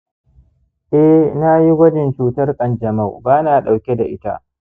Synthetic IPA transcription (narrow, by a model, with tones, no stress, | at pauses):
ʔɛ˦na˦ji˦ɡɐ˦d͡ʒɛ˨nt͡ʃuː˨tɐ˦rkʼɐ˨nd͡ʒɐ˨ma˦˨wbaː˦naː˨ɗa˨wkʲe˦da̰˨ʔɪ˦ta̰˦ʔ